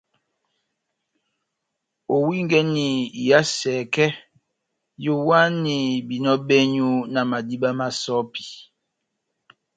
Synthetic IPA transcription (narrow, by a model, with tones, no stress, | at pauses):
o˨wi˦ŋ˦ɡɛ˦ni˨i˨ja˦sɛː˨kɛ˦ | jo˦wa˦ni˨bi˨nɔ˦bɛ˦ɲu˦na˨ma˨di˦ba˦ma˨sɔ˦pi˨